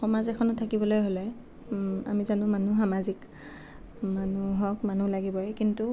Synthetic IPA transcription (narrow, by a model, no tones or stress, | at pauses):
xɔmazɛkʰɔnɔtʰakibɔlojɦolɛ | a̰mizanʊ̃manuxamazik | manuɦɔkmanulaɡibɔjkintu